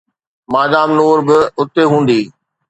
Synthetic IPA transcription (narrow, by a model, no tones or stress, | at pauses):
maːdaːmnoːɾbɪʊt̪eɦũːnd̪iː